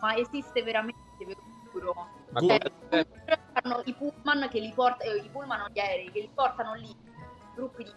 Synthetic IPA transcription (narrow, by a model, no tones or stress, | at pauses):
maezist̪eveɾament̪eveɾo | uːɾo | t͡ʃɛɾanoipulmankelːipɔrt̪ipulmanoʎɛɾɛikelːipɔrt̪anoli | ɡɾupːid̪i